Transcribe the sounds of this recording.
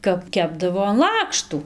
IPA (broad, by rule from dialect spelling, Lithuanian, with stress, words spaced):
kɐp ˈkʲæːbdɐʋoː ɐn ˈlˠɑːkʃtuː